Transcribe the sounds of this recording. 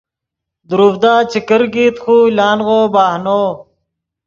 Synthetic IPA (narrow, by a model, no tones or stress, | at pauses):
d̪uɾufd̪aːt͡ɕikəɾɡiːt̪xuːlaːnɣoːbaːɦnoː